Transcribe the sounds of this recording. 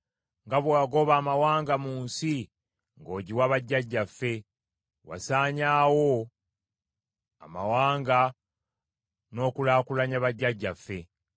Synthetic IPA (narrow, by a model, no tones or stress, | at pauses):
ŋɡaβwaːɡo̞βaːmawaːŋɡamuːnsi | ŋɡo̞ːɟiwaβaɟːaɟːafːe̞ | wa̰saːɲaːwo̞ | a̰mawaːŋɡa | no̞ːkulaːkulaɲaβaɟːaɟːafːe̞